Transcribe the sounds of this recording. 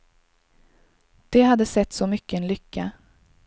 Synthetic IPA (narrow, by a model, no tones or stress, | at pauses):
d̪̥ɛhad̪ːəsɛt̪ːsɔmʏkːəɛnlʏkːa